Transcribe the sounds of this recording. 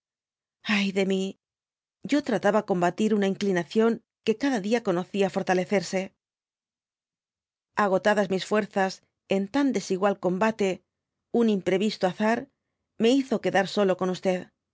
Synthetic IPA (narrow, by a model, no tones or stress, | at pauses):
ajðe̞mi | ɟ͡ʝo̞t̪ɾat̪aβako̞mbat̪iɾunaiŋklinaθjo̞ŋ | ke̞kaðaðiako̞no̞θiafo̞ɾt̪ale̞θe̞ɾse̞ | aɣ̞o̞t̪aðazmisfwe̞ɾθas | e̞nt̪and̪e̞siɣwalko̞mbat̪e̞ | unimpɾe̞βist̪oaθaɾ | me̞iθo̞ke̞ðaɾso̞lo̞ko̞nust̪e̞ð